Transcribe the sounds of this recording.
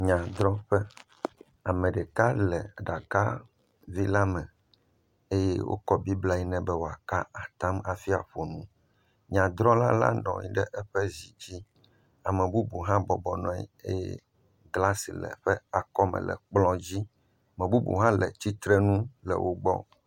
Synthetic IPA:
ɲã˨d̪ɾɔ̃˦ɸɛ˦ | a˨mɛ̃˨ɖɛ˨ka˦lɛ˨ɖa˨ka˦ | vi˦la˦mɛ̃˨ | e˦jɛ˦wʔo̰˦kɔ˦bi˦bla˦i˦nɛ̃˦bɛ˦wo˨a˨ka˦a˨t̪ã˦ma˨fi˦a̰˨ɸo˨nũ˦ | ɲã˨d̪ɾɔ̃˦la˦la̰˦nɔ̰̃˨ɲḭ̃˦ɖɛ˦ʔɛ˦ɸɛ˦zi˨d͡ʑi˦ | a˨mɛ̃˨bu˦bu˨ɦã˦bɔ˨bɔ˨nɔ̃˦ḭ˨e˦jɛ˦ | ɡla˦sḭ˨lɛ̰˨ɸɛ˦a˨kɔ˦mɛ̰˨lɛ̰˨k͡plɔ̃˦d͡ʑi˦ | a˨mɛ̃˨bu˦bṵ˨ɦã˦lɛ˨t͡ɕi˦t̪ɾɛ˦nũ˦lɛ̰˨wʔo˦ɡ͡bɔ̰˦

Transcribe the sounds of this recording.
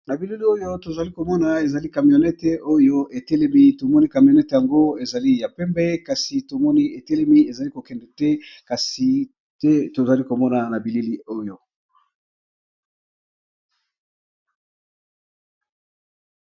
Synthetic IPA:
na˨bi˨li˦li˦o˦jo˦to˨za˨li˦ko˨mɔ˦na˨e˨za˨li˦ka˨mjo˨nɛ˦tɛ˨o˦jo˦e˨tɛ˦le˦mi˦to˨mɔ˦ni˦ka˨m˨o˨nɛ˦te˨ja˨ŋɡo˦e˨za˨li˦ja˨pɛ˦mbɛ˦ka˨si˨to˨mɔ˦ni˦e˨tɛ˦lɛ˦mi˦e˨za˨li˦ko˨kɛ˨ndɛ˨tɛ˦ka˨si˨ | tɛ˦to˨za˨li˦ko˨mɔ˦na˨na˨bi˨li˦li˦o˦jo˨

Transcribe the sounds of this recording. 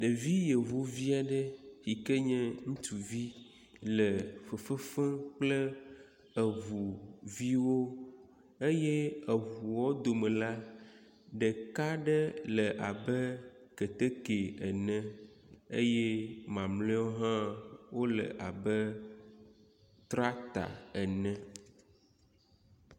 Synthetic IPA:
ɖə˨vi˦je˨vu˦vi˦a˨ɖə˦hi˨kə˦ɲɛ̃˦ŋũ˦t̪u˨vi˦ | lə˨fə˨fə˦fə̃˦k͡plə˦ | ə˨vu˨vi˦wo˦ | e˦jɛ˦ə˨vu˨wɔ˦d̪o˨mə̃˨la˦ | ɖə˨ka˦ɖə˦lə˨ʔa˨bə˦ | kə˨t̪ə˦ke˨ə˨nə̃˦ | ḛ˦jɛ˦mã˨mlẽ˦ɔ˦ɦã˦wo˦lə̰˨ʔa˨bə˦ | t̪ɾa˦t̪a̰˨ə˨nə̃˦

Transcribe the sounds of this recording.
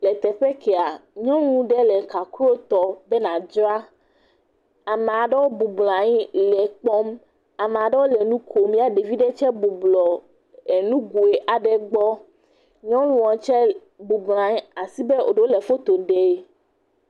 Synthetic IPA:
lɛ˨t̪ɛ˨ɸɛ˦kɛ˨a˨ɲɔ̃˦nũ˦ɖɛ˦lɛ˨ka˨ku˦wo˦t̪ɔ˦bɛ˦nã˨d͡ʒɔ˦a˦ | a˨me˨a˨ɖɛ˦wo˦bu˨blã˨ɲi˦lɛ˨k͡pɔ˦m | a˨me˨a˨ɖɛ˦wo˦lɛ˨nũ˦kʰo˨mĩ˦a˨ɖe˨vi˦ɖɛ˦t͡ʃɛ˦bu˨blɔ˨ | e˨nũ˦ɡu˨e˨ʔa˨ɖɛ˦ɡ͡bɔ˦ | ɲɔ̃˦lũ˦ɔ̃˨t͡ʃɛ˦ | bu˨blã˨ɲĩ˦a˨si˦bɛ˦o̰˨ɖe˦o˦lɛ˨fo˦t̪o˨ɖɛ˨˦

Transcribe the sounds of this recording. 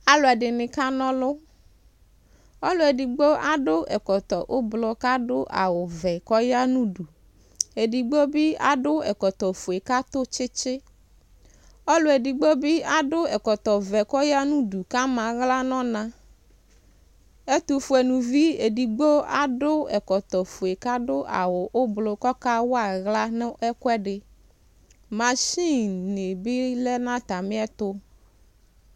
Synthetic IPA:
a˨lo˨a˨ɖɪ˨nɪ̃˨ka˦nɔ̃˦lʊ˦ | o˦lʊ˨˦e˨di˨ɡ͡bo˦a˦ɖʊ˦ʔɛ˨kɔ˨t̪ɔ˨ʔo˦blɔ˦ka˦ɖʊ˦ʔa̰˨wʊ˨vɛ˨kɔ˦ja˦nũ˦ɖu˨ | e˨di˨ɡ͡bɔ˦bi˦a̰˦ɖʊ˦ɛ̰˨kɔ˨t̪ɔ˨fo˨e˨ka˦t̪ʊ˦t͡ʃɪ˦t͡ʃɪ˦ | ɔ˦lo˨e˨di˨ɡ͡bɔ˦bi˦a˨ɖʊ˦ɛ˨kɔ˨t̪ɔ˨vɛ˨kɔ˦ja˦nũ˦du˨ka˦mã˨ɣla˦nɔ̃˦nã˦ | e˦t̪o˨fu˨ɛ˨nũ˨vi˦e˨di˨ɡ͡bo˦a̰˨ɖʊ˦ɛ˨kɔ˨t̪ɔ˨fo˨e˨ka˦ɖʊ˦ʔa̰˨wʊ˨ʔo˦blo˨kɔ˦ka˦wo˦a˨ɣla˦nẽ˦ʔɛ˦kɛ˦ɖɪ˨ | mã˨ʃi˦ne˨bi˦lɛ˦nã˦t̪a˨mɪ̃˦ɛ˦t̪ʊ˦

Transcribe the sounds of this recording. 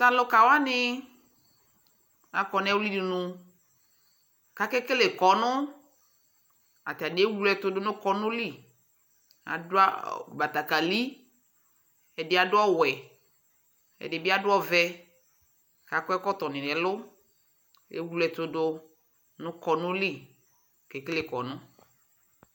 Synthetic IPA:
t̪a˨lʊ˦ka˨wa˦nɪ˦ | a˨kɔ˨nɛ˦wli˦dɪ˨nʊ̃˨ | ka˨˦kɛ˦kɪ˦le˨kɔ˨nʊ̃˦ | a̰˨t̪a˨n˨˦e˦wu˦lɛ˨t̪ʊ˦dʊ˦nʊ̃˦kɔ˦nʊ̃˦li˦˨ | a̰˨dʊ˦a̰˦˨ba˨t̪a˨ka˨li˦ | ɛ˨dɪ˦a˨dʊ˦ɔ˦wɛ˨ | ɛ̰˨dɪ˨bɪ˦a˦dʊ˦ɔ˦vɛ˦ | ka˨kɛ˦kɔ˦t̪ɔ˨nɪ̃˨nɛ̃˨lʊ˦ | ḛ˦wu˦lɛ˨t̪ʊ˦dʊ˦ | nʊ̃˦kɔ˨nʊ̃˦li˦˨ | kɛ˨kɪ˦le˨kɔ˨nʊ̃˦

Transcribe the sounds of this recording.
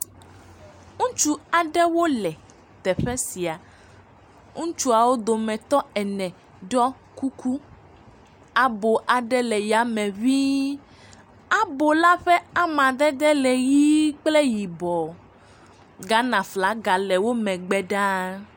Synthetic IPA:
ŋũ˦t͡ʃu˦a˨ɖɛ˦wo˦lɛ˨ | t̪ɛ˨ɸɛ˦si˨a˨ | ŋũ˦t͡ʃu˦a˨wo˦d̪o˨mɛ̃˨t̪ɔ˦ɛ˨nɛ̃˨ | ɖɔ˦ | ku˦ku˦ | a˨bo˨ʔa˨ɖɛ˦lɛ˨ja˨mɛ̃˨βi˦ | a˦bo˨la˦ɸɛ˦a˦mã˨d̪ɛ˦d̪ɛ˦lɛ˨ji˦k͡plɛ˦ji˨bɔ˨ | ɡa˦nã˨fla˨˦ɡa˨lɛ˨wo˦mɛ̃˨ɡ͡bɛ˦ɖã˦

